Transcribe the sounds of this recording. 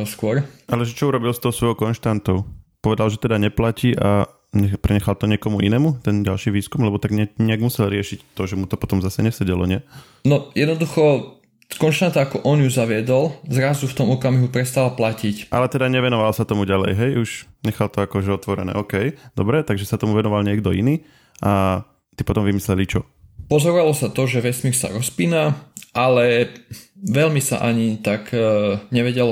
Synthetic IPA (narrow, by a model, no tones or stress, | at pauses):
ɔskʊɔɾʔalɛʒɛt͡ʃɔuɾɔbilst̪ɔɦːsʋɔjɔkɔnʃt̪ant̪ɔʊpɔʋɛd̪alʒɛt̪ɛd̪aɲɛplaciːʔa̰ | ɲɛpɾɛɲɛxalt̪ɔɲɪɛkɔmuʔinɛːmut̪ɛnɟalʃiːʋiːskumlɛbɔt̪aɡɲɛɲɛaɡmusɛlɾɪɛʃict̪ɔʒɛmut̪ɔpɔt̪ɔmzasɛɲɛsɛɟɛlɔ̰ɲɪɛ | nɔjɛd̪nɔd̪uxɔ | kɔnʃt̪ant̪aakɔʔɔnjuzaʋɪɛd̪ɔlzɾazuft̪ɔmɔkamiɦupɾɛst̪alplacicʔa̰lɛt̪ɛd̪aɲɛʋɛnɔʋalsat̪ɔmuɟalɛ̰jɦɛjuʃɲɛxalt̪ɔakɔʒɛɔt̪ʋɔɾɛ̰nɛ̰ːɔːkɛjd̪ɔbɾɛt̪aɡʒɛsat̪ɔmuʋɛnɔʋalɲɪɛɡd̪ɔiniː | ʔa | t̪ipɔt̪ɔmʋimislɛlit͡ʃɔ | pɔzɔɾɔʋalɔsat̪ɔʒɛʋɛsmiɾsa̰ɾɔspiːnaʔalɛ | ʋɛlmisa̰ʔaɲit̪akɲɛʋɛɟɛl